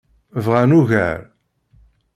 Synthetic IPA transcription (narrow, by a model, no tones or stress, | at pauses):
vʁanuʝæ̰ɾ